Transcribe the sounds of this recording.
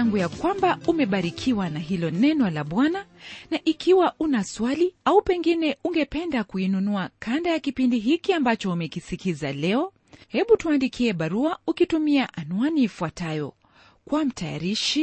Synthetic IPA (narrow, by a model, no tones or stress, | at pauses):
aŋɡujakwambaumɛɓaɾikʰiwanaɦilɔnɛnɔlaɓwananaʔikʰiwaʔunaswaliaupɛŋɡinɛuŋɡɛpɛndakuinunuakʰandajakipindiɦikiambat͡ʃɔumɛkisikizalɛɔ | hɛɓutuandikʰiɛɓaɾuaukitumiaʔanwanifuatajɔ̰ | kwam̩tʰaja̰ɾiʃi